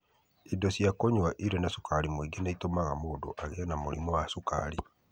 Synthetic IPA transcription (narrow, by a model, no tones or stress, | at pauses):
idɔsjakoɲwaʔiɾɛnasukaɾimweɡenaitomaɣamoːdo̰ʔaɣeanamoɾḭmɔwasuka̰ɾi